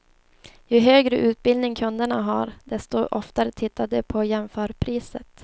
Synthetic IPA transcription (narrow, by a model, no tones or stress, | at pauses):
jɵɦøːɡɾəʔʉ̟ːt̪̚bɪld̪nɪŋkʰɵnd̪əɳaɦaɾd̪ɛst̪ɔʔɔft̪aɾət̪ʰɪt̪ːad̪ɛpʰɔjɛmfœːɾpʰɾiːsət̪